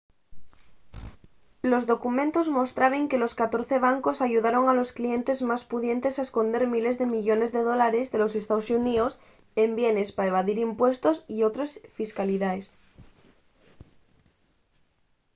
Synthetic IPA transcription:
lo̞zðo̞kumẽnt̪o̞zmost̪ɾaβeŋke̞lo̞skat̪o̞ɾθe̞β̞aŋko̞saʝuð̞aɾo̞ŋalo̞sklie̞nt̪e̞zmaspuðje̞nt̪e̞saesko̞nd̪e̞ɾmile̞zðe̞miʎo̞ne̞zðe̞ð̞olaɾe̞zðe̞lo̞se̞st̪aosunios | e̞mbje̞ne̞spaeβ̞aðiɾimpwe̞st̪o̞sio̞t̪ɾesfiskaliðaes

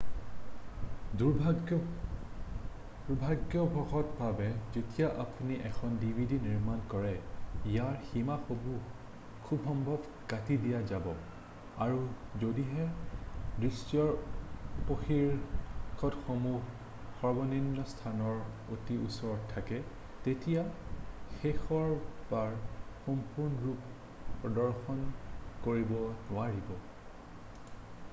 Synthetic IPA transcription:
du | d̥ubʱaɡjɔbʱɔxɔtbʱabɛzetijaʔapuniʔɛkʰɔndibʱidiniɹmankɔɹɛijaɹximaxobu | kʰubɦɔmbʱɔb | katidijazabɔ | aɹuzodiɦɛ | dɹisjɔ | poxiɹkʰɔtxɔmuɦ | xɔɹbɔninːɔstʰanɔɹ | otiṵsɔɹɔtʰːakɛ | tetijaxexɔɹbaɹxɔmpuɹnɔɹup | pɹɔdɔɹxɔnkoɹibɔnʊwaɹibɔ

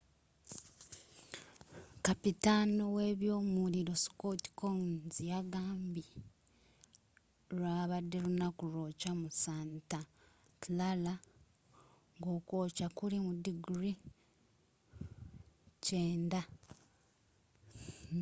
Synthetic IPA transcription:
kapitanoweβjo̞ːmuliɾo̞si̥koti̥koŋzjaɡaːmbi | ɾwaːβadːe̞lunakulo̞ːcamusaːnta | tlala | ŋɡo̞ːko̞ːcakulimudiɡɾi | ceːnda

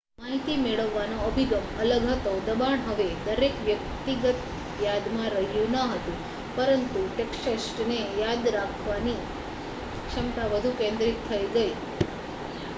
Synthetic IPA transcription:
maɦit̪imeɭəʋːanoəbʱiɡəmələɡʱət̪od̪əbaɳɦəʋed̪əɾekʋjək̚t̪iɡət̪ | jad̪mãɾəɦjũnəɦət̪ũ | pəɾənt̪uʈekʃəsʈnejad̪ɾakʰʋani | ʃəmt̪aʋəd̪ʱukẽnd̪ɾit̪t̪ʰːəiɡəi

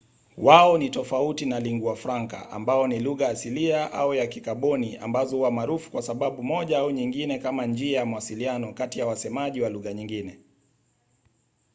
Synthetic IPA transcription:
waɔnitɔfautinaliŋɡuafɾaŋka̰ʔa̰mbaɔniluɣajasiliaʔa̰ujakikaɓɔniʔa̰mbazɔhuwamaːɾufu̥kwasaɓaɓumɔʄaauɲiŋɡinɛkamand͡ʒiajamuwasilianɔkatijawasɛmaʄiwaluɣaɲiŋɡinɛ

